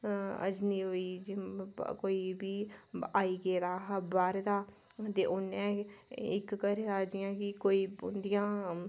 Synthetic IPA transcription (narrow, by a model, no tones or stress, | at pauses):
ə̰d͡ʒniːɦoːiːd͡ʒkoːiːbiːaːiːɡeːd̪aːɦəbaːɾd̪aː | t̪eːʔʊnɛ̃ːɪkkəɾed̪aːd͡ʒɪjãːkɪkoːiːʊnd̪ɪjãː